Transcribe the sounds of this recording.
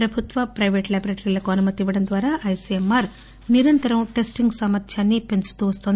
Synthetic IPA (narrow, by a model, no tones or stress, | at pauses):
pɾɐbʱut̪ʋɐpɾɐjʋeːʈlajbɾeʈɾiːlɐkuɐnumɐt̪iʋɐɽɐnd̪ʋaːɾaːʔɐjsiemːaːɾ | niɾɐnt̪ɐɾɐmʈe̞sʈiŋɡsɐmɐt̪ʰjaːnːipe̞nt͡ʃu̥t̪uːʋɐst̪ond̪i